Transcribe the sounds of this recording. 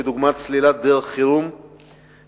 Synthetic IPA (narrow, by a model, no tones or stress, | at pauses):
ed̪uɡmat̪t͡slilat̪̚d̪eʁeχχiɾum